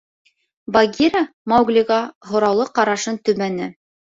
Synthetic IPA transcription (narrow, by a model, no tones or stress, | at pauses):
baɡʲiɾamɑwɡlʲiʁɑɦŏɾɑwlˠɤqɑɾɑʃɤnt̪ɵ̆mænɘ